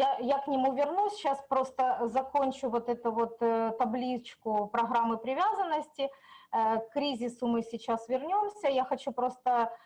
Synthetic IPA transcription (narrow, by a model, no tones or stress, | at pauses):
jajaknʲɪmuvʲɪrnusʲɕaspɾo̞st̪əzɐkonʲt͡ɕʊvo̞t̪ɛt̪ʊvo̞t̪t̪ːɐblʲit͡ɕkʊpɾɐɣɾamːɨpɾʲɪvʲazənːəsʲtʲɪ | kːɾʲizʲɪsʊmɨsʲɪt͡ɕasvʲɪrnʲo̞msʲəjaxɐt͡ɕupɾo̞st̪ə